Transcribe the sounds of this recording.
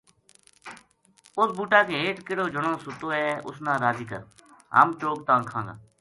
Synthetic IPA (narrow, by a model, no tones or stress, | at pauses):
ʊsbuːʈaːkeːeːʈkɪɽoːd͡ʒʊɳõːsʊt̪oːɛːʊ̰snãːɾaːziːkə̰ɾ | ɦə̰ːmt͡ʃoːk̚t̪ãːkʰãːɡa̰ː